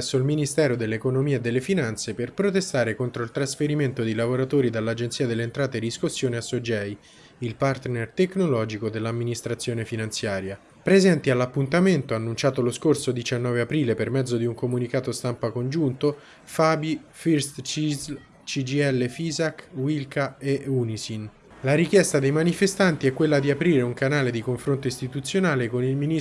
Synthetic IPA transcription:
sːoilminist̪ɛːɾod̪elːeːkonomiːed̪ːelːefinant̪seperpɾot̪̬est̪aːɾekont̪ɾoilt̪ɾasfeɾiment̪od̪ilavoɾat̪oːɾid̪alːad͡ʒensiːad̪elːeːnt̪ɾaːt̪ed̪iskusːjoːneasːod͡ʒɛj | ilpart̪nert̪eknolɔːd͡ʒikod̪elːamːinist̪ɾat̪sːjoːnefinant̪sjaːɾja | pɾezɛnt̪ialːapːunt̪ament̪oanːunt͡ʃaːt̪oloskorsod̪it͡ʃanːɔːveapɾiːlepermɛd̪zːod̪iuŋkomunikaːt̪ost̪ampakond͡ʒunt̪o | faːbifirst͡ʃiz | t͡ʃid͡ʒiɛlːefiːzakwilkaeunisin | laɾikjɛst̪ad̪ejmanifest̪ant̪iɛkːwelːad̪iapɾiːɾeuŋkanaːled̪ikoɱfɾont̪oist̪it̪ut̪sːjonaːlekonilmini

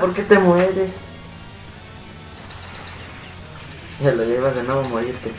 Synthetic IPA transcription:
poɾket̪emweɾe | elojaiβarenaβamoɾiɾt̪e

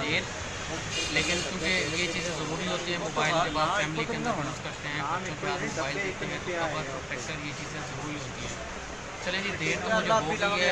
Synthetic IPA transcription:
d̪eːɾ | leːkɪnkjũːkejeːt͡ʃiːzẽːzəɾuːɾiːɦoːt̪iːɦɛ̃ːmoːbaːɪleːbaːd̪ːfɛːmliːkẽnd̪aɦoːnəskəɾt̪eɦɛ̃ːkʊõːkaːɾmmoːbaːɪld̪ɪt̪ːeɦɛ̃ːt̪ʊt̪abə | ʈɛːksəɾjeːt͡ʃiːzẽːzəɾuːɾiːɦoːt̪iːɦɛ̃ː | t͡ʃəlẽːd͡ʒid̪eːɾt̪õmʊd͡ʒoːiɦɛː

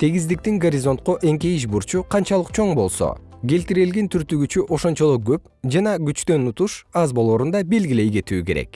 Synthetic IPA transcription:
t̪ʰe̞ɡizd̪ik̚t̪iŋɡoɾʲizo̞nt̪̚qoʔe̞ŋke̞jiʃ̬buɾt͡ʃuqʰɑnt͡ʃɑlˠɯqt͡ʃʰo̞ɴbo̞lˠso̰ | ɡe̞lt̪iɾelɡent̪ʰyɾt̪yɡyt͡ʃyʔo̞ʃo̞nt͡ʃo̞lˠoɡø̞p | d͡ʒɑnɑɡyt͡ʃt̪ø̞nut̪uʃɑzbo̞lˠoːɾund̪ɑbe̞lɡʲile̞jɡe̞t̪yːke̞ɾe̞̰k

